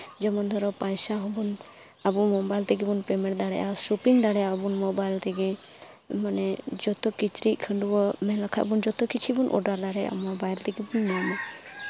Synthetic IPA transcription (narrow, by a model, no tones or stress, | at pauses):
d͡ʒɛmɔnd̪ʱɔɾɔpajsaɦɔbɔn | abumɔbajlt̪ɛɡibunpɾemeɳʈd̪aɽɛ̰ʔaʃupiŋd̪aɽɛabunmɔbajlt̪ɛɡe | manɛd͡ʒɔt̪ɔkit͡ʃɾiʔ̚ˀkʰəɳɖubɔmɛlakʰaʔbund͡ʒɔt̪ɔkit͡ʃʰibunʔɔ̰ɖaɾd̪aɽɛa̰mɔbajlt̪ɛɡibunmama